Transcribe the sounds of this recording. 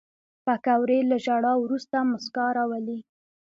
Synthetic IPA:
pakawɾelaʒaɽɑwɾust̪amʊskɑɾɑwəli

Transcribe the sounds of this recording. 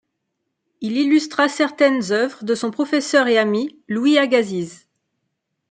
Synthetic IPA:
ililyst̪χasɛʁt̪ɛnzœvʁəd̪əsɔ̃pχɔfɛsœʁeamilwiaɡaziz

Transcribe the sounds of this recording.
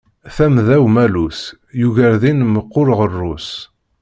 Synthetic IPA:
θæmðæwmælus | juʝəɾðinməqːʊɾʁərˤːʊs

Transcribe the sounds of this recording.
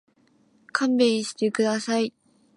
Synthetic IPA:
kʰãmbẽ̞ɲɕi̥t̪e̞kɯ̟d̪asai

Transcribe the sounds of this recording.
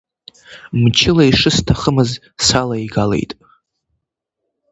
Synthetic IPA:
mt͡ʃʰɪlaiʂɨstʰaχəmɨz | salaiɡale̞̰jtʼ

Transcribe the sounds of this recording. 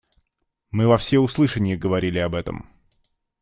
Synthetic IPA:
mɨvɐfsʲeʊslˠɨʂənʲɪjəɡəvɐɾʲilʲɪɐbɛt̪ə̰m

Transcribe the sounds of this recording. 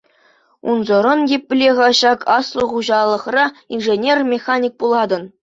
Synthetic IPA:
unzɤ̆ɾɤ̆njepʲːlʲeʁɑɕɑkʰɑslˠɤ̆χuʑɑlˠːɤ̆χrɑinʐenʲermʲexanʲik̚pulˠɑd̪ɤ̆n

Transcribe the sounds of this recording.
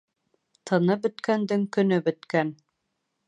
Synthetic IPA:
t̪ʰɤ̆nɤbɵ̆t̪kænd̪ɘŋkɵ̆nɵbɵ̆t̪kæn

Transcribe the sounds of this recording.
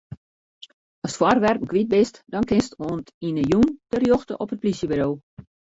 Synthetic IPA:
ɔstfwɔrʋɛrpəkʋit̚bɪstd̥ɔnkɪnstoəntinəjundərjoxtə̰ʔɔpət̚plisjəbiɾoː

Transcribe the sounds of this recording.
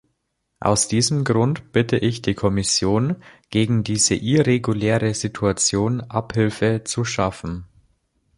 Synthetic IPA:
ʔa̰ʊsd̥iːzəm̩ɡʁʊntb̥ɪtəʔɪçd̥iːkʰɔmɪsjoːnɡ̥eːɡŋ̩diːzəʔɪʁeɡuleːʁəzitʰuat͡sjoːnʔaphɪlfət͡suʃafn̩

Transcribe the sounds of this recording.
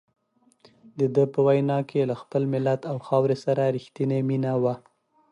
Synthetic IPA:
d̪əd̪əpəwajnɑkʰelaxpəlmɪlat̪awxɑwɾesaɾaɾixt̪ineminawa

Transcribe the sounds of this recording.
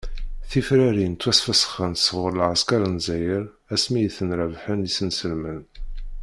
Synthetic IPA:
θifɾæɾint̪ːwæsfæsə̥χənt̪səʁəɾlʕaskɑɾənzæjəɾ | æsmijθənɾævħənisənsəlmən

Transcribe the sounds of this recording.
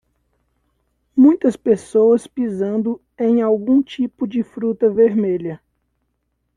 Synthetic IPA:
mũj̃t̪ɐspesowɐspizɐ̃nd̪ʊ | ẽj̃awɡũt͡ʃipʊd͡ʒɪfɾut̪ɐveɾmeʎɐ

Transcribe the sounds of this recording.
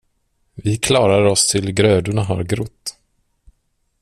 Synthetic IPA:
vɪkʰlɑːɾaɾɔst̪ʰɪlɡɾøːd̪ʊɳaɦa̰ɾɡɾʊt̪ː

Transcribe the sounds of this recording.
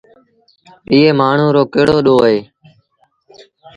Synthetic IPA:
iːeːmaːɳ̤ũːɾoːkeːɽoːɗoːɦeː

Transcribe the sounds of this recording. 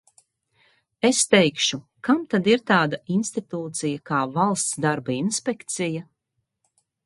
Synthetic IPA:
est̪ɛjkʃu | kamt̪ad̪iɾt̪aːd̪ainst̪it̪uːt̪sijakaːvalˠst̪sd̪aɾbainspɛkt̪sija

